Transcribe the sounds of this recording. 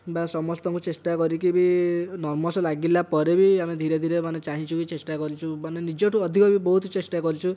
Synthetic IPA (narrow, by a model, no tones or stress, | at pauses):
basɔmɔst̪ɔŋkut͡ʃesʈakɔɾikibinɔɾmɔsɔlaɡilapɔɾebiamed̪ʱiɾed̪ʱiɾemanet͡ʃaɦĩt͡ʃʰukit͡ʃesʈakɔɾit͡ʃʰumanenid͡ʒoʈʰuɔd̪ʱikɔbibɔɦut̪t͡ʃesʈakɔɾit͡ʃʰu